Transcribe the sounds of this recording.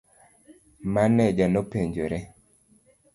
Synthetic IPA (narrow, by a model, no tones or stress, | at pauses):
manɛd͡ʒanopeɲd͡ʒoɾɛ